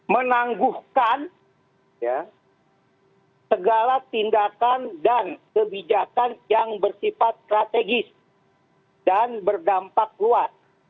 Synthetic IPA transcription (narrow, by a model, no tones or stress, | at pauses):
mənaŋɡuhkan | ja | səɡalat̪indakandankəbid͡ʒakanjaŋbərsifat̪̚st̪ɾat̪eɡɪs | danbərdampak̚ɡuat̪̚